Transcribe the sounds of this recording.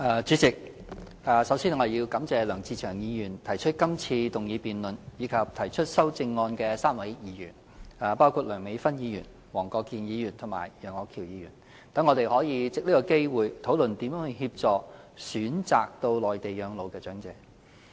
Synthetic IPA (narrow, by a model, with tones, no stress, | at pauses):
aː˨˧t͡ʃyː˨˥t͡sɪ˨k̚ | aː˨˩sɐ˨˥wsiː˥nŋɔː˨˧e˨ji˧wkɐ˨˥mt͡sɛː˨˧lœː˨˩ŋt͡siː˧t͡ʃʰœː˨˩ŋjiː˨˧jyː˨˩nt̪ʰɐ˨˩jt͡ʃʰɵ˥t̚kɐ˥mt͡sʰiː˧t̪ʊ˨ŋjiː˨˧piː˨nlɵ˨njiː˨˧kʰɐ˨p̚t̪ʰɐ˨˩jt͡ʃʰɵ˥t̚sɐ˥wt͡sɪ˧ŋːɔː˧nkɛː˧saː˥mwɐ˨˥jjiː˨˧jy̰ː˨˩n | aː˨paː˥wkʰuː˨˧t̚lœː˨˩ŋme˨˥jfɐ˥njiː˨˧jyː˨˩n | wɔː˨˩ŋkɔː˧kːiː˨njiː˨˧jyː˨˩nt̪ʰʊ˨˩ŋma̰ː˨˩jjœː˨˩ŋɔː˨˧kʰiː˨˩wjiː˨˧jyː˨˩n | t̪ɐ˨˥ŋːɔː˨˧t̪e˨jhɔː˨˥jiː˨˧t͡sɪ˨k̚liː˥kɔː˧ke˥jwuː˨jt̪ʰo˨˥wlɵ˨nt̪i˨˥mjœː˨˥ŋhɵ˧hi˧p̚t͡sɔː˨k̚syː˨˥nt͡sa̰ː˨k̚t̪o˧wlɔː˨˩jt̪e˨jjœː˨˧ŋlo˨˧wkɛː˧t͡ʃœː˨˥ŋt͡sɛː˨˥